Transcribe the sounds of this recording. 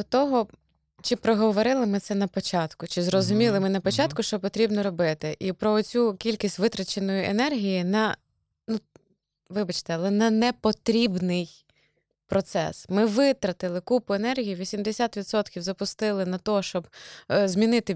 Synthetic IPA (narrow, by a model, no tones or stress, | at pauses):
d̪ɔt̪ɔɦɔ | t͡ʃɪpɾɔɦɔʋɔɾɪlˠɪmɪt̪sɛnɐpɔt͡ʃɑt̪kʊt͡ʃɪzɾɔzʊmʲilˠɪmɪnɐpɔt͡ʃɑt̪kʊʃt͡ʃɔpɔt̪ɾʲibnɔɾɔbɪt̪ɪʔipɾɔɔt͡sʲukʲilʲkʲisʲtʲʋɪt̪ɾɐt͡ʃenɔjiḛnɛrɦʲijinɐ | nu | ʋɪbɐt͡ʃt̪ɛɐlˠɛnɐnɛpɔt̪ɾʲibnɪj | pɾɔt̪sɛ̰smɪʋɪt̪ɾɐt̪ɪlˠɪkupʊenɛrɦʲijiʋʲisʲimd̪esʲat̪ʋʲid̪sɔt̪kʲiwzɐpʊst̪ɪlˠɪnɐt̪ɔʃt͡ʃɔbzmʲinɪt̪ɪ